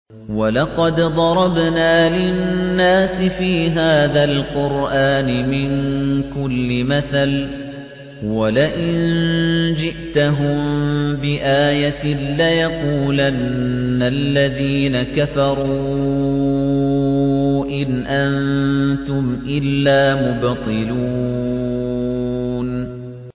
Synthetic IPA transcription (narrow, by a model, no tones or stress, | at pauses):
walɑqɑd̪d̪ˤɑɾˤɑbnaːlɪnnnːaːsɪfiːɦaːðalqʊɾʔaːnɪmɪnkʊlːɪmaθal | walaʔɪnnd͡ʒɪʔt̪aɦʊmbɪʔaːjalajɑquːlanːalːaðiːnakafɑɾˤuː | ʔɪnʔant̪ʊmʔɪlːaːmʊbt̪ˤɨluː | n